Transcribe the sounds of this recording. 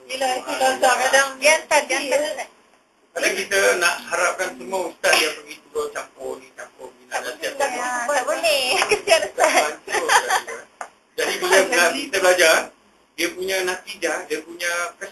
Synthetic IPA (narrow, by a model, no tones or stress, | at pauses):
ilaitilasakadaŋiat̪aai | kadakit̪ənaʔhaɾap̚kansəmuaust̪at̪̚diapəɡit̪udot͡ʃampʊdit͡ʃampʊbinanasiaabənekəsianust̪aat̪ | a | d͡ʒadibisaəŋabikit̪əblad͡ʒar | diəpuɲanat̪id͡ʒadiəpuɲakə